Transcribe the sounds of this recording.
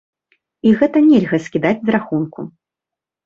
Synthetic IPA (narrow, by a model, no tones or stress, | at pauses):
iɣɛt̪ɐnʲɛlʲɣɐsʲkʲid̪ad͡zʲzɾaxunku